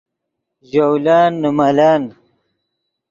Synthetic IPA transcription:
ʑowlaːnːumalaːn

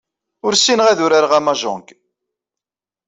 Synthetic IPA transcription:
ʊɾsinʁæðʊɾaɾʁæmɑʒʊ̰ŋk

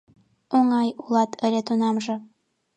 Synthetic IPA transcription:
oŋɑjulˠɑt̪ʰɘ̆lʲet̪unɑmʒɤ̆

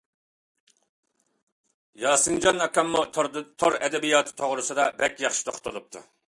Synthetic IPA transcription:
jɑːsɨnd͡ʒɑnɑkʲɑmːut̪ʰoɾɛd̪ɛbijɑːt̪ʰɨ̥t̪ʰoʁɾɨsɨd̪ɑbɛkʲjɑχʃi̥t̪ʰoχt̪ʰolup̚t̪ʰu

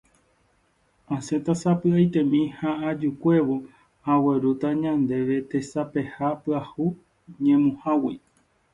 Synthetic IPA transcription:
ãset̪asapɨajt̪ẽ̞mĩhaad͡ʒukʷe̞ʋo | hawe̞ɾut̪aɲãnd̪e̞ʋe̞t̪e̞sape̞hapɨahu | ɲẽmũhawḭ

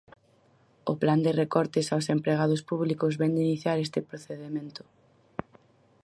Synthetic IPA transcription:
ʊpland̪ɪrekɔɾt̪ɪsawsempɾeɣaðʊspuβlikʊzβɛnd̪iniθjaɾest̪ɪpɾoθeðemẽnt̪ʊ̥

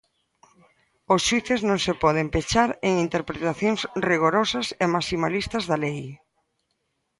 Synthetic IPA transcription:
ʊsʃwiθeznõŋsepɔð̞empet͡ʃaɾeŋint̪eɾpɾet̪aθjõŋsriɣ̞oɾɔsɐsemasimalist̪ɐzðalej

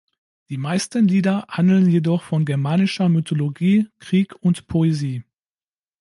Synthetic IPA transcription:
d̥iːmaɪstənliːdɐhandl̩njedɔχfɔnɡɛɐmaːnɪʃɐmytʰoloɡiːkʁ̥iːkʰʊntpʰoeziː

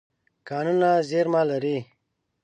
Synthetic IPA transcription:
kaːnunazeɾmaːlɐɾi

